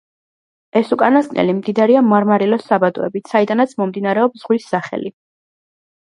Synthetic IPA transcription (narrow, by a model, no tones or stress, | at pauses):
ɛsukʼanaskʼnɛ̰limd̪id̪aɾiamaɾmaɾilɔsabad̪ɔ̰ɛ̰bit̪said̪anat̪sʰmɔmd̪inaɾɛɔpsz̥ʁwisːaχɛ̰li